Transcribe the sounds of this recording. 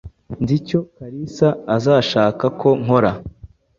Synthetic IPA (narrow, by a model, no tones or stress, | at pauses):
nzico̞kaɾisaːzaːʃaːkakʰo̞ŋ̥o̞ɾa